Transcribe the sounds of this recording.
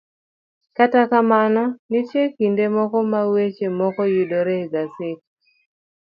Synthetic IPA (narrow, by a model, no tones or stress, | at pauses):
katakamanɔnitjekindemɔkɔmawet͡ʃemɔkɔjidoɾeɡasɪt̚